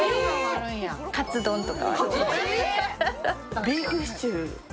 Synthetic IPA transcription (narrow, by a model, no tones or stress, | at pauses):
aɾɯ̃jakat͡sɨd̪õnt̪oka̰βa̰ | bʲihɯst͡ɕiɯ